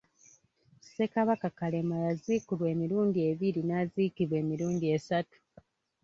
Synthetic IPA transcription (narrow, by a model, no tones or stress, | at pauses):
se̞kaβakakale̞majaziːkulwe̞ːmiɾuːndie̞βilinaziːkiβwe̞ːmiɾuːndie̞satu̥